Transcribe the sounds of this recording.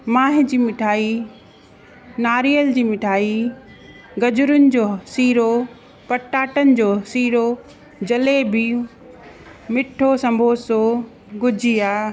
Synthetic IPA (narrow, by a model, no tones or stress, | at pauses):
mãːɦɪd͡ʑiːmɪʈʰaːi | naːɾijəld͡ʑiːmɪʈʰaːi | ɡɐd͡ʑʊɾʊnɪ̆d͡ʑoːsiːɾo | pɐʈːaːʈənɪ̆d͡ʑoːsiːɾo | d͡ʑɐlebɪ | mɪʈʰosɐ̃mbʱoːso | ɡʊd͡ʑʱiaː